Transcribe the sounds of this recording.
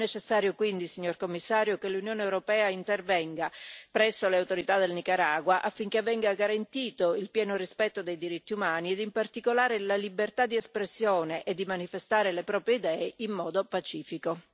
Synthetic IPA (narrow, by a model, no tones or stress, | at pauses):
net͡ʃesːaːɾjokwind̪isiɲːorkomːisːaːɾjokelːunjoːnewɾopɛːaint̪ervɛŋɡapɾɛsːoleawt̪oɾit̪ad̪elnikaɾaːɡwaʔafːiŋkevːɛŋɡaɡaɾant̪iːt̪oilpjɛːnorispɛt̪ːod̪ejd̪iɾit̪ːiumaːnied̪impart̪ikolaːɾelalibert̪ad̪iɛspɾesːjoːneʔed̪ːimanifest̪aːɾelepɾɔːpɾjeid̪ɛːeʔimːɔːd̪opat͡ʃiːfiko